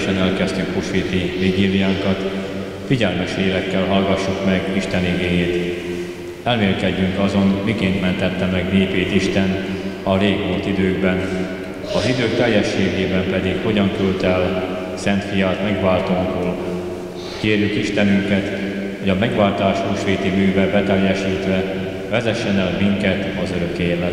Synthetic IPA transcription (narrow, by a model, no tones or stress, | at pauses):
ʃɛnɛlkɛst̪yŋkpoʃiːt̪iviɡiːlijaːŋkɒt̪ | fiɟɛlmɛʃeːlɛkːɛlɦɒlɡɒʃːukmɛɡiʃt̪ɛniɡeːjeːt̪ | ɛlmeːlkɛɟːyŋkɒzo̞nmikeːnt̪mɛnt̪ɛt̪ːɛmɛɡneːpeːt̪iʃt̪ɛnt̪ɒleːɡmolt̪id̪øːɡbɛn | ɒzid̪øːk̚t̪ɛjːɛʃːeːɡeːbɛmpɛd̪ikho̞ɟɒŋkylt̪ɛl | sɛnt̪fijaːt̪mɛɡʋaːlt̪omboːl | keːrjykiʃt̪ɛnyŋkɛt̪ | hoɟɒmɛɡʋaːlt̪aːʃuːʃʋeːt̪imyːvɛbɛt̪ɛjːɛʃiːt̪ʋɛ | vɛzɛʃːɛnɛlmiŋkɛt̪ɒzøɾø̞keːlɛ